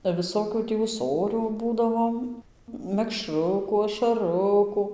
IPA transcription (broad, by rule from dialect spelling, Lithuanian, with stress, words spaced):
bɐ ʋʲɪˈsoːkʲuː ˈtʲiː uːˈsoːrʲuː ˈbuːdɐʋoːm mʲɛkˈʃrʊkʊ ɐʃɐˈrʊkʊ